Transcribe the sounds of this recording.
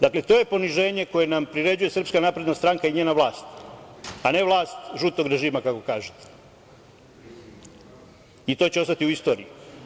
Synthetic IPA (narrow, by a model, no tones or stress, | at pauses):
d̪aklet̪o̞je̞po̞niʒe̞ːɲe̞ko̞je̞nampɾiɾe̞d͡ʑuje̞sr̩pskanapɾe̞d̪nast̪ɾaŋkaiɲe̞ːnaʋlaːst̪ | ane̞ʋlˠaːst̪ʒut̪o̞ɡɾe̞ʒiːmakako̞kaːʒet̪e̥ | it̪o̞ːt͡ɕeo̞st̪at̪iuist̪o̞ːɾḭju